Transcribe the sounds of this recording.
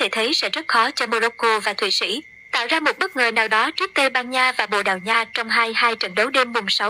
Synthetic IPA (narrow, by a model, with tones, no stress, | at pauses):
t̪ʰe˧˩t̪ʰə˨˦jsɛ̰˧˥zə˦˥t̚xɔ˨˦t͡ɕɔ˧mo˧lo˧ko˧vaː˨˩t̪ʰwḭ˧˨sḭ˧˥ | t̪a̰ː˧˨wzaː˧mo˨˩t̚ɓə˦˥k̚ŋɨ˨˩əjnaː˨˩wɗɔ˨˦t͡ɕɨ˦˥ək̚t̪e˧ɓaː˧nɲaː˧vaː˨˩ɓo̰˧˨ɗaː˨˩wɲaː˧t͡ɕɔ˧wŋ͡mɦaː˧jhaː˧jt͡ɕə̰˧˩nɗə˨˦wɗe˧mɓʊ˨˩ŋ͡msa˨˦w